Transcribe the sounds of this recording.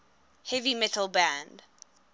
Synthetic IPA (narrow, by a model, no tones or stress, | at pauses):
hɛvimɛtəl̩ˠbæ̃nd̥